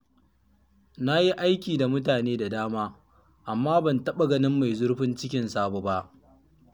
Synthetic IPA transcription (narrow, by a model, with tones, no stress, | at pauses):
na˦ji˦ʔa˦jkʲiː˨da˨mʊ˦taː˨neː˦da˨daː˦maː˦ | ʔa˨mːaː˦bɐ˨ntɐ˦ɓa˨ɡɐ˦nɪ˦mːa˨jzʊ˦ɽɸɪ˦nt͡ʃɪ˦kʲɪ˨nsaː˦bo˨ba˦ʔ